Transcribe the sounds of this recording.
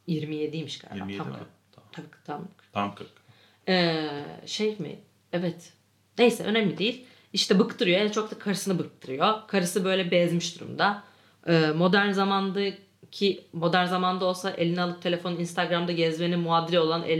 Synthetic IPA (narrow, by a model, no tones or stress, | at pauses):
jiɾmije̞d̪ijmiʃkʰa̰ɾa̰am | t̪ʰabikt̪ʰamk̪kk | ɛːʃejmḭ | ɛvɛt̪ | nejsɛʔø̞̰næmlʲid̪ejilʲ | iʃt̪ʰɛbɯkt̪ʰɯɾɯjoɛɛt͡ʃʰo̞k̚t̪akʰaɾɯsɯnɯbɯk̚t̪ʰɯɾɯjo̞kʰaɾɯsɯbø̞jlʲɛbɛzmiʃd̪uɾṵmd̪a | ɯːmo̞d̪æɾnzamand̪ɯ | cʰimo̞d̪æɾnzamand̪ao̞lˠsaʔe̞lʲinialˠɯp̚t̪ʰe̞lʲe̞fo̞ninst̪ʰaɡɾamd̪aɟɛzmenimuad̪ilʲɛo̞lˠanʔḛlʲ